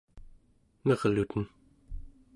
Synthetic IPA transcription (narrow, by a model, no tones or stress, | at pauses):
nʌʁlut̪ən